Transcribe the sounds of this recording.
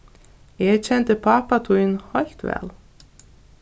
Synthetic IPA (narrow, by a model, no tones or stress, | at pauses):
jɛɣt͡ɕʰɛnt̪ɪpʰaːpat̪ʰuːjnhɔjl̥t̪vɛ̰ːl